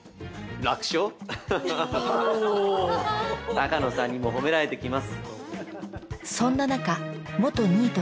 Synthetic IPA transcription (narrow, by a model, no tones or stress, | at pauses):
ɾakɯ̥ɕo | t̪akano̞sãɲ̟ːimo̞ɦo̞me̞ɾaɾe̞t̪e̞kʲimasɨ̥ | sõ̞nːanakamo̞t̪o̞ɲ̟iːt̪o